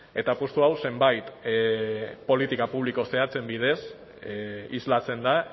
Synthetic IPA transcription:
e̞t̪apost̪uawse̞mbajt̪ | po̞lit̪ikapuβ̞liko̞se̞at͡se̞mbið̞e̞s | izlat͡se̞nd̪a

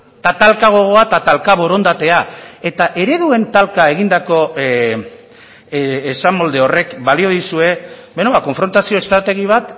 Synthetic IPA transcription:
t̪at̪alkaɣ̞o̞ɣ̞o̞at̪at̪alkaβo̞ɾo̞nd̪at̪e̞ae̞t̪aʔe̞ɾe̞ðue̞nt̪alkae̞ɣ̞ind̪ako̞ | samo̞ld̪e̞o̞re̞kbalio̞ðisue̞benoβako̞ɱfɾo̞nt̪asio̞e̞st̪ɾat̪e̞ɣiβ̞at̪

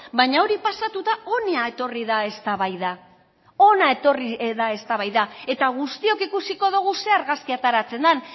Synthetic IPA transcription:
baɲao̞ɾipasat̪ut̪ao̞niae̞t̪o̞riðae̞st̪aβajða | o̞nae̞t̪o̞riðae̞st̪aβajðae̞t̪aɣ̞ust̪io̞kikusiko̞ðuɣ̞useaɾɣaskiat̪aɾat͡se̞nd̪an

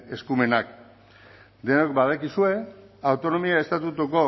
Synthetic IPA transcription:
e̞skume̞nak | d̪e̞nokbað̞akisue̞ | awt̪o̞no̞miae̞st̪at̪ut̪uko̞

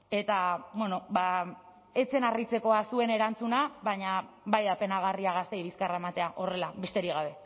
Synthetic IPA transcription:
e̞t̪abwe̞no̞ba | e̞t͡se̞narit͡se̞ko̞asue̞ne̞ɾant͡sunaβaɲa | bajðape̞naɣ̞ariaɣast̪e̞iβiskaraemat̪e̞aʔo̞re̞laβe̞st̪e̞ɾiɣ̞aβe̞

